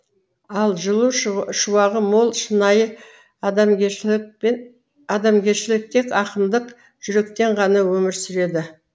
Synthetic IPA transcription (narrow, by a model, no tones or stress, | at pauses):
ɑlˠʒəlˠuʃuwɑʁəmo̞lˠʃənɑjə | ɑd̪ɑmɡʲe̞ɾʃɪlɪk̚t̪ʰe̞kɑqənd̪əq | ʒ̥ʏɾe̞kt̪e̞ɴʁɑnɑwɵmɪɾsʏɾe̞d̪ɪ